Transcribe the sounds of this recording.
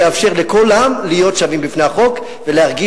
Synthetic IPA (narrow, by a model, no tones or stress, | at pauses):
eafʃe̞ʁle̞kolamlijo̞tʃavimbifne̞aχo̞k | velehaʁɡi